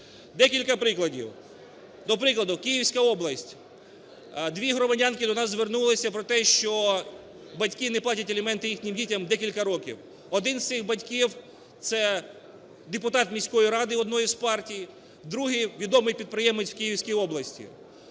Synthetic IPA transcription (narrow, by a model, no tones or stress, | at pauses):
d̪ɛkʲilʲkɐpɾɪklˠɐdʲḭw | d̪ɔpɾɪklˠɐd̪ʊkʲijiwsʲkɐɔblˠɐsʲtʲ | d̪ʋʲiɦɾɔmɐdʲɑnkɪd̪ɔnɑzzːʋernulˠɪsʲɐpɾɔt̪ɛʃt͡ʃɔ | bɐtʲkinɛplˠɑtʲɐtʲɐlʲɪmɛnt̪ɪjixnʲimdʲitʲɐmd̪ɛkʲilʲkɐɾɔkʲḭw | ɔd̪ɪnz̥ʲɪxbɐtʲkʲiw | t̪sɛ | d̪epʊt̪ɑt̪mʲisʲkɔjiɾɑd̪ɪɔd̪nɔjizpɑrtʲij | d̪ɾuɦiʋʲid̪ɔmɪjpʲid̪̚pɾɪjɛmɪt͡sʲw̥kʲijiwsʲkʲijɔblˠɐsʲtʲḭ